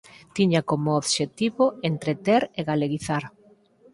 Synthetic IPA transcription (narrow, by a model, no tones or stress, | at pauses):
t̪iɲakomʊoβʃet̪iβoent̪ɾet̪eɾeɣaleɣiθaɾ